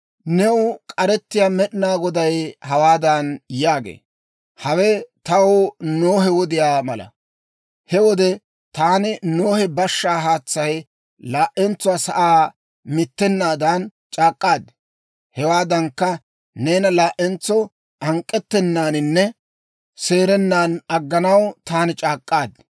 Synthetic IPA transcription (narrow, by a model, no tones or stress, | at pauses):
nɛwʊkʼɐɾɛt̪ːɪjaːmɛɗɪnaːɡɔd̪ɐjhɐwaːd̪anjaːɡḛː | hɐwɛt̪ɐwnoːɦɛwɔd̪ɪjaːmɐlɐ̰ | hɛwɔd̪ɛ | t̪aːnɪnoːhɛbɐʃːaːɦaːt͡sːɐj | laːʔɛnt͡sːʊwaːsɐʔaː | mɪt̪ːɛnːaːd̪aːnt͡ʃʼaːkʼːaːd̪ | hɛwaːd̪ɐŋkːɐ | ne̞ːnɐlaːʔɛnt͡sːɔ | ʔɐŋkʼːɛt̪ːɛnːaːnɪnːɛ | se̞ːɾɛnːaːnɐɡːɐnɐwt̪aːnɪt͡ʃʼaːkʼːaːd̪ɪ